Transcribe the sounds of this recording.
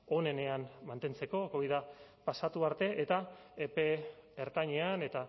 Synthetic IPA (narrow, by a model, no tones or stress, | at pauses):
o̞ne̞ne̞anmant̪e̞nt͡se̞ko̞ko̞βiðapasat̪uaɾt̪e̞ʔet̪a | epe̞eɾt̪aɲeane̞t̪a